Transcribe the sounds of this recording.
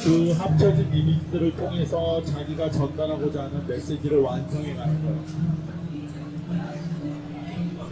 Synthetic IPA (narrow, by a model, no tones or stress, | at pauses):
kɯɦap̚t͡ɕ͈ʰʌd͡ʑimimisʰɯɾɯɭtʰoŋe̞sʰʌt͡ɕaɡiɡat͡ɕʌndanɦaɡod͡ʑanɯnme̞s͈e̞d͡ʑiɾɯɭwansʰʌŋenaɯɡʌj